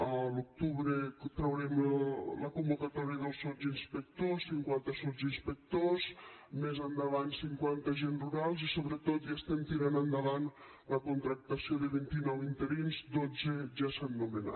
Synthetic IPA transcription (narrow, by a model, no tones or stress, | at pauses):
əluk̚t̪uβɾet̪ɾəwɾɛmləkumbukat̪ɔɾjəðəlˠsɔzinspək̚t̪osːiŋkwant̪əsuzinspək̚t̪ozmezand̪əβansiŋkwant̪əʒenruɾalˠzisoβɾət̪ot̪ʒast̪ɛnt̪iɾanand̪aβan | ləkunt̪ɾak̚t̪asioðəβint̪inɔwint̪eɾinzd̪od͡zeʒasanːumena̰